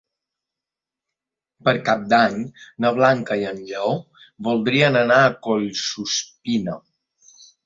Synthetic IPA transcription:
pəɾkap̚d̪aɲnəβ̞laŋkəiənʎəo | βulˠd̪ɾiənənaəkoʎsuspino

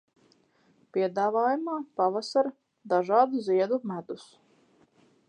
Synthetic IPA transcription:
piɛd̪aːvaːjumaːpavasaɾ | d̪aʒɑːd̪uziɛd̪umæd̪us

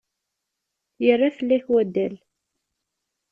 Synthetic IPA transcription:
jərːaθəlːæçwæd̪ːæl

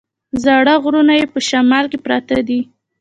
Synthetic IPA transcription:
zɑɽaɣɾunajepəʃamɑlkepɾɑt̪ad̪i

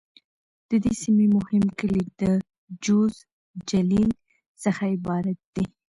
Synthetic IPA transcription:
d̪̥əd̪esimimʊhɪmkəlid̪̥ə | d͡ʒoz | d͡ʒalil | səxaɪbɑɾat̪̚d̪i

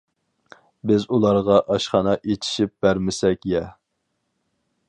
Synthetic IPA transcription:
bɪzulˠɑɾʁɑʔɑʃχɑnɑʔet͡ʃ̪ʰi̥ʃip̚b̥æɾmɪsɛkʲjɛ

